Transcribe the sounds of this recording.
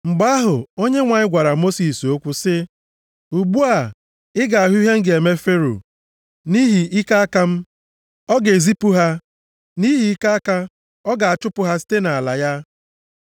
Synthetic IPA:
ŋ͡m̩˨ɡ͡ba˦a˦ɦʊ˨o˦ɲe˦ŋʷa˨ɲɪ˦ɡʷa˨ɾa˨mo˦si˨so˦kʷu˦sɪ˦ | u˨ɡ͡bu˦a˨ | ɪ˦ɡa˨a˨ɦu˦i˦ɦe˦ŋ̩˦ɡe˨me˦fe˦ɾo̰˨ | ni˦ɦi˨i˦ka˦a˦ka˦m̩˦ | ɔ˦ɡe˨zi˦pu˦ɦa˦ | ni˦ɦi˨i˦ka˦a˦ka˦ | ɔ˦ɡa˨a˨t͡ʃʊ˦pʊ˨ɦa˦si̥˦te˦na˨a˨la̰˨ja˦

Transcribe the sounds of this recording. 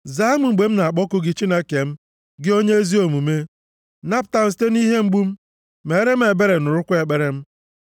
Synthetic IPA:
za˨˦m˨ŋ͡m̩˨ɡ͡be˨m̩˦na˨k͡pɔ˦kʊ˦ɡɪ˦t͡ʃi˦ne˦ke˨m̩˦ | ɡɪ˦o˦ɲe˦e˦zi˦o˨mu˨me˦ | na˦pta˨n̩˨s̬te˦ni˦ɦe˦ŋ͡m̩˦ɡ͡bu˦m̩˦ | me˨˦ɾe˦m̩˦e˨be˦ɾe˨nʊ˨ɾʊ˦kʷʊ˦e˨k͡pe˦ɾe˦m̩˦

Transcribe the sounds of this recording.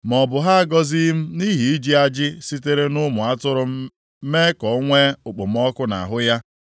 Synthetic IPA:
mɔ˨bʊ˨ɦa˦a˦ɡɔ˦zi˦m̩˦ni˦ɦi˨i˦d͡ʒi˦a˦d͡ʒɪ˦si˦te˦ɾe˦nʊ˦mʊ˨a˦tʊ˦ɾʊ˦ | me˦kɔ˨˦ŋʷe˦ʊ˨k͡po˨m̩˦ɔ˦kʊ˦na̰˨ɦʊ˦ja˦

